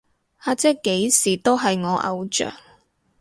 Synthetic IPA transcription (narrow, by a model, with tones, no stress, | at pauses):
aː˨˧t͡sɛː˥kːe˨˥jsiː˨˩t̪o˥wɦɐ˨jŋɔː˨˧ʔɐ̰˧wt͡ʃœ̰ː˨˩ŋ